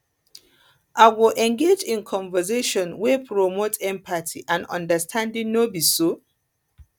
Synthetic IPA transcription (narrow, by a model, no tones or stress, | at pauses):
ʔaɪwɪʔɛ̃ŋɡed͡ʒĩnkʰɔ̃nvəzeʃɔ̃nwepʰɹomotʰɛ̃mpʰatʰiʔãnɔ̰̃ndəstʰãndĩŋnobiso